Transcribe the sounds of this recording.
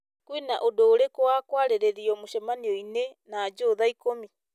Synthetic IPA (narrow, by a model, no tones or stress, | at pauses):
kwinaʔodoːɾekoakwaɾeɾeɾiɔmoʃɛmaniɔinenad͡ʒoːðaikomi